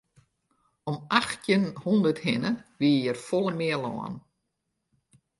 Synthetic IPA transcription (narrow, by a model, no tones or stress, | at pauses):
ɔmaxtjənhɔndərthɪnəʋiːəjərfɔlˠəmɪəlɔ̰ːə̰n